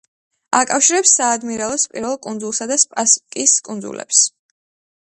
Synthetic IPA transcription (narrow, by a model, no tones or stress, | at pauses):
akʼafʃiɾɛpsːaːd̪miɾalˠɔspʼiɾvɛlˠkʼund̪zulˠsad̪aspʼaskʼiskʼund̪zṵlɛ̰ps